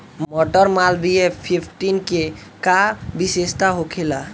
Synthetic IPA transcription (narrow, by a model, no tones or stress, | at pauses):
mmɔʈəɾmalbiepʰipʰʈinke | kabisest̪aɦokʰela